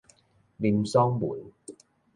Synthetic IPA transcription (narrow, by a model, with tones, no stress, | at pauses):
liː˧msɔː˥ŋmuː˨˩˦n